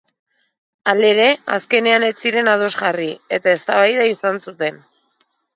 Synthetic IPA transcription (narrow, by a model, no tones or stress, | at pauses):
ale̞ɾe̞a̰ske̞ne̞ane̞t͡siɾe̞nað̞o̞zɣarie̞t̪ae̞st̪aβajðaisansut̪e̞n